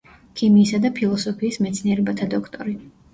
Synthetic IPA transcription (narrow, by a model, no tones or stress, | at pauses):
kʰimiːsad̪apʰilˠɔsɔpʰiːsmɛt̪sʰniɛɾɛbat̪ʰad̪ɔkʰt̪ʼɔɾi